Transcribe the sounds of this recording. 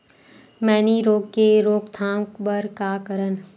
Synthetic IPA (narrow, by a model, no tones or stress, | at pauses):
mɛːniɾoːɡ̚keɾoːɡt̪ʰãːŋkbəɾkaːkəɾən